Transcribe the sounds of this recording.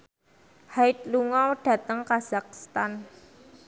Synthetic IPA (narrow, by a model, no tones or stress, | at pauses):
haɪt̪̚luŋawɖ̥ä̤t̪əŋkaz̥ak̚st̪an